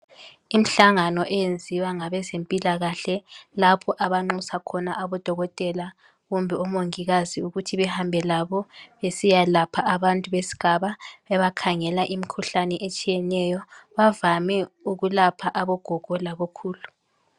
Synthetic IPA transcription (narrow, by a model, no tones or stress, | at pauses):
im̩ɬaŋanɔʔɛjend͡zʱiwaŋaβɛzempʼilaɣaɬɛlapʰɔʔaβaŋ͡ǃusakʰɔnaʔaβɔd̥ʱɔɣɔtʼɛla | ɣumbʱɛɔmoŋiɣaziuɣutʰiβɛhambʱɛlaβɔβesijalapʰaʔaβantʼuβesi̥ɡ̥ʱaβaβɛβakʰaŋɛlaʔimikʰuɬanɛʔet͡ʃʼijɛnɛjɔβavamɛuɣulapʰaʔaβɔɡ̥ʱɔɡ̥ʱɔlaɣɔkʰuːlu